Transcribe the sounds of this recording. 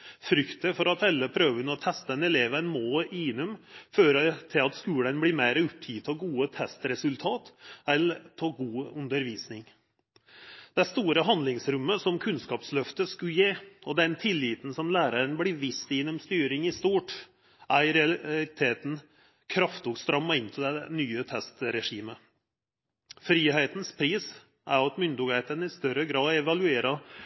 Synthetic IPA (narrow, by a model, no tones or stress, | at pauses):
fɾʏkt̪əfɔɾɑt̪ɛlːəpʰɾøːʋənəɔt̪ʰɛst̪əɛnɛleːʋənmoːiːnʉmføːɾət̪ʰɪlɑt̪skʉːlənblɪːmeɪɾəʉp̚t̪ʰit̪ʰɔɡuːət̪ʰɛst̪ɾɛsʉlt̪ʰɑːt̪ɛlt̪ʰɔɡuːʉnd̪əɾʋiːsnɪŋ | d̪̥ɛst̪uːɾəɦɑnlɪŋsɾʉmːəsɔmkʰʉnskɑːpslœft̪əskʉjeːɔd̪ɛnt̪ʰɪlːiːt̪n̩sɔmlæːɾəɾəɳblɪʋɪst̪jɛnʊmst̪yːɾɪŋɪst̪uːʈ | ʔæɾɛɑlɪt̪ʰeːt̪n̩ | kʰɾɑft̪ʊɡst̪ɾɑmːɑɪnt̪ʰɪld̪ɛnyːət̪ʰɛst̪ɾɛʂiːmə | fɾiːɦeɪt̪nspʰɾiːs | ʔæ̰ɾɑt̪mʏnd̪ʊɡæɪt̪ənəɪst̪œɾəɡɾɑːdɛʋɑlʉeːɾɑ